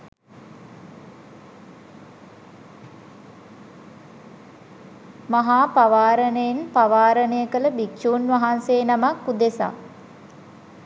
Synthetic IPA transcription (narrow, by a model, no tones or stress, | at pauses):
maɦaːpaʋaːɾənejenpaʋaːɾənəjəkələbikʃuːnʋaɦanseːnamakːud̪esa̰